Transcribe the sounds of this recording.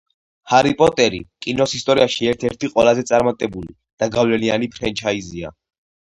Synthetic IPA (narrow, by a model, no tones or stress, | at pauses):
haɾipʼɔt̪ʼɛɾḭkʼinɔsist̪ʼɔɾiaʃiɛɾt̪ʰɛɾt̪ʰiqʼwɛlazɛt̪sʼaɾmat̪ʼɛbuli | d̪̥aɡavlɛlianipʰɾɛnt͡ʃʰaizia̰